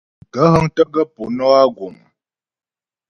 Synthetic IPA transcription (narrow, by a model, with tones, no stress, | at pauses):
ɡə˦ɦə˦ŋtə˦ɡə˦po˨nɔ˦a˦ɡo˨ŋ˨